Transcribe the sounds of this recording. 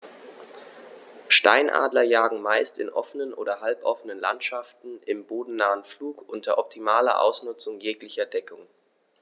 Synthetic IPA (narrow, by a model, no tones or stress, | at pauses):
ʃta̰ɪnʔa̰ːdlɐjaːɡŋ̩maɪstɪ̰nʔɔfənənʔoːdɐɦalpʔɔfənənla̰ntʃaftn̩ʔɪmboːdn̩naːənfluːkʔʊntʰɐʔɔp̚tʰimaːlɐ̰ʔa̰ʊsnʊt͡sʊŋjeːklɪçɐdɛkʰʊŋ